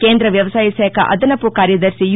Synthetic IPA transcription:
keːnd̪ɾɐʋjɐʋɐsaːjisɛːɐkɐ̰ʔɐ̰d̪ɐnɐpːukaːɾjɐd̪ɐɾsij

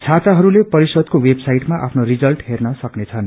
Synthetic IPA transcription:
t͡sʰat͡saɦʌɾulepʌɾisʌd̪̚kowebsajʈmaʔa̰pʰnorid͡zʌlʈɦernʌsʌknet͡sʰʌn

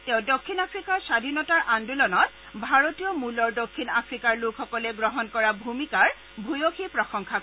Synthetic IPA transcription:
tɛ̃ʊ̃dokʰːinapʰɹikaɹsadʱinɔtaɹʔandulɔnɔt | bʱaɹotijɔmulɔɹdokʰːinapʰɹikaɹlukʰxɔkɔlɛɡɹɔɦɔnkɔɹabʱumikaɹ | bʱujoxipɹɔxɔŋkʰa

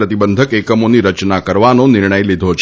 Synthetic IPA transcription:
ɾət̪ibənd̪ʱəkekəmoniɾət͡ʃnakəɾʋanonɪɾɳəjlid̪ʱot͡ʃʰ

